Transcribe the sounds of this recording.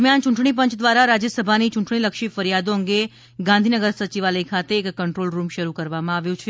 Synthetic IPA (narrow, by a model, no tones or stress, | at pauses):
mjant͡ʃũɳʈɳ̃ip̬ə̃ɲt͡ʃʰd̪ʋaɾaɾad͡ʒjəsəbʱanit͡ʃũɳʈɳiləkʃifəɾijad̪oəŋɡe | ɡãnd̪ʱinəɡəɾsət͡ʃiʋaləikʰat̪eːkːəɳʈɾolɾumʃəɾukəɾʋamãaʋjũt͡ʃʰ